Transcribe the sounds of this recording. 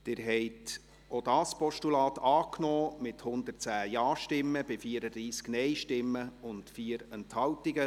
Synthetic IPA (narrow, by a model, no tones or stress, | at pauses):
d̥ɪːɾɦɛɪt | odɑːspɔʃtulɑːtɑːknɔːmɪthʊnd̪ərt͡sæːjɑːʃtɪmːəbɪfiːəɾədɾiːsknɛjʃtɪmːəʊntfiːəɾɛnthɑltiɡə